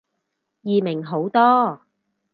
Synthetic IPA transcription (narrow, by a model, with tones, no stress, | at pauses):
jiː˨mɪ˨˩ŋɦo˨˥wt̪ɔː˥